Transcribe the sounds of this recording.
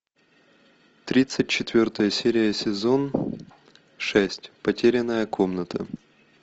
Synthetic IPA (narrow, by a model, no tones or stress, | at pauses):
t̪ɾʲit̪sɨt̚ʲt͡ɕɪt̪vʲort̪əjəsʲeɾʲɪjəsʲɪzo̞n | ʂɛsʲtʲpɐtʲeɾʲɪnəjəkʰomnət̪ʰə̰